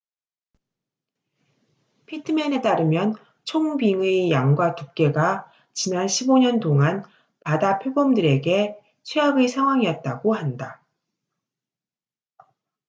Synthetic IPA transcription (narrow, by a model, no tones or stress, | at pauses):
pʰitʰɯmene̞t͈aɾɯmjʌn | t͡ɕʰoŋbiŋɯjaŋɡwatuk̚k͈e̞ɡa | t͡ɕinanɕʰiboɲʌntoŋan | padapʰjobʌmdɯɾe̞ɡe̞ | t͡ɕʰweɦaɡesʰaŋɦwaŋiʌt̚t͈aɡoɦanda